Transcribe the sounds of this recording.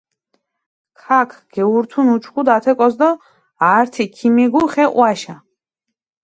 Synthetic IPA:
kʰakʰɡ̥ɛuɾt̪ʰunut͡ʃʰχud̪at̪ʰɛkʼɔsd̪ɔ | aːɾt̪ʰikʰimiɡuχɛʔw̰aʃa

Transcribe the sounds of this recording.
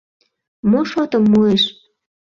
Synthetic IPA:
moʃot̪əmːueʃ

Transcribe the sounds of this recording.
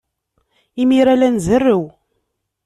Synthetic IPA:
imiɾælænzərːəw

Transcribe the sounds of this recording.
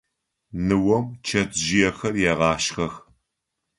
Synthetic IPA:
nɨwɔmt͡ʃʰɐt͡sʼʒɪjɛxɐrjɛʁɑːʃxɐx

